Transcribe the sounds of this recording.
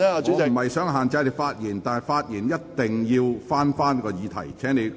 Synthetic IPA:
m̩˨˩hɐ˨jsœː˨˥ŋɦaː˨nt͡sɐ˧jne˧˥jfaː˧t̚jiː˨˩nt̪aː˨nɐ˨˩jfaː˧t̚jiː˨˩njɐ˥t̚t̪ɪ˨ŋjiː˧wfaː˥nfaː˥nkɔː˧jiː˨˧t̪ʰɐ̰˨˩jt͡sʰɛː˨˥ŋne˧j

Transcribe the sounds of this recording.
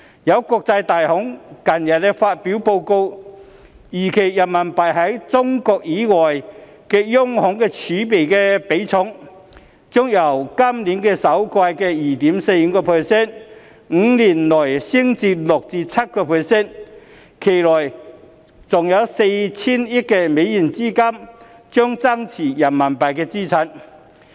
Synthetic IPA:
jɐ˨˧wkɔː˧k̚t͡sɐ˧jt̪aː˨˩jhʊ˨˥ŋkɐ˨˩njɐ˨˩t̚lɛ˧faː˧t̚pi˨˥wpo˧wko˧w | jiː˨˩kʰe˨˩jjɐ˨˩mɐ˨˩npɐ˨jɦɐ˨˥jt͡sʊ˥ŋkɔː˧k̚jiː˨˥ŋɔː˨˩j | kɛː˧jʊ˥ŋhʊ˨˥ŋkɛː˧t͡sʰiː˨˥pe˨jkɛː˧pe˨˥jt͡sʰʊ˨˥ŋ | t͡sɔ˥ŋjɐ˨˩wkɐ˥mliː˨˥nkɛː˧sɐ˨˥wkaː˧jkɛː˧jiː˨˩t̪iː˨˥mse˧j̩˨˧kɔː˧pʰɛ˨sɛ˥˨n | ŋ̩˧li˨˩nlɔ˨˩jsi˥ŋt͡si˧lʊ˨˩k̚t͡siː˧t͡sʰa˦˥t̚kɔ˧pʰɛ˨˧sɛ˥˨n | kʰe˨˩lɔ˨˩j | t͡sʊ˨˩ŋja˨˧˥wse˧jt͡sʰi˥ni˥kɛ˧me˨˥ji˨˩nt͡si˥˧ka˥mt͡ɕɔ˥ŋt͡sa˥ŋt͡sʰiː˨˩ja˨˩nma˨npa˨˩jkɛ˧t͡si˥˩t͡sʰa˧˥n

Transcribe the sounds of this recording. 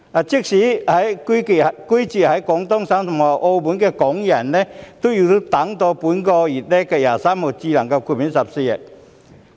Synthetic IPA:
a˨˩t͡ɕi˥k̚ɕi˨˦ha˨˦jki˦ki˧˨˩ki˦t͡ɕi˧˩ha˨˦jkɔ˨˦ŋt̪ɔ˥ŋsa˧˥ŋsɔ˨˩ŋa˧˩ʔɔ˧bu˨˦nke˧kɔ˨˦ŋja˨˩nːɛ˦t̪u˦ju˨˩t̪u˦t̪a˨˦ŋt̪ɔ˧pu˨˦nkɔ˧i˨˩t̚ne˦ka˧˩jaː˨˩sa˦˥mɔ˧˩t͡ɕi˧la˨˩ŋka˧kʰu˧˩mi˨˦nsa˨˩p̚si˧ɛ˨˩

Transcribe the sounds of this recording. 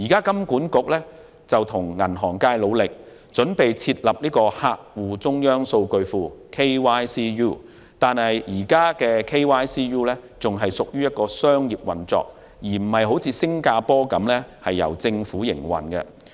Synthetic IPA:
jiː˨˩kaː˥kɐ˥mkuː˨˥nkʊ˨˥k̚lɛː˥ | t͡sɐ˨wt̪ʰʊ˨˩ŋːɐ˨˩nɦɔː˨˩ŋkaː˧jlo˨˧wlɪ˨k̚ | t͡sɵ˨˥npe˨jt͡sʰiː˧t̚lɐ˨p̚niː˥kɔː˧haː˧k̚wuː˨t͡sʊ˥ŋjœː˥ŋso˧wkɵ˧ɥfuː˨kʰe˥jwaː˥jsiː˥juː˥˩ | t̪aː˨nhɐ˨jjiː˨˩kaː˥kɛː˧kʰe˥jwaː˥jsiː˥juː˥lɛː˥t͡sʊ˨ŋɦɐ˨jsʊ˨k̚jyː˥jɐ˥t̚kɔː˧sœː˥ŋjiː˨p̚wɐ˨˩nt͡sɔ̰ː˨k̚ | jiː˨˩m̩˨˩hɐ˨jɦo˨˥wt͡sʰiː˨˧sɪ˥ŋkaː˧pɔː˥kɐ˨˥mlɛː˥hɐ˨jːɐ̰˨˩wt͡sɪ˧ŋfuː˨˥jɪ̰˨˩ŋwɐ̰˨nkɛ̰˧

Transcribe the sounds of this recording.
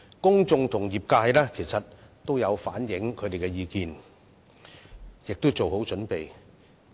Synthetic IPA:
kʊ˥ŋt͡sʊ˧ŋt̪ʰʊ˨˩ŋjiː˨˩p̚kaː˧jlɛː˥kʰe˨˩jsɐ˨t̚t̪ːo˥wjɐ˨˧wfa̰ː˨˥njɪ˨˥ŋkʰɵ˨˧t̪e˨jkɛ˧jiː˧kiː˨n | jɪ˨k̚t̪ʊ˥wt͡so˨who˨˥wt͡ʃɵ˨˥npe˨j

